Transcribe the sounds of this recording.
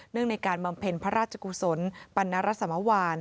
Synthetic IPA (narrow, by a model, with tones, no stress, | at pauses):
nːɯ˥˩əŋna˧jjkaː˧nba˧mpʰe˧npʰa˦˥ɾaː˥˩t̚t͡ɕʰa˧ku˧so˩˦npa˧nːa˦˥ɾa˦˥t̪̚sa˨˧˦ma˦˥waː˧n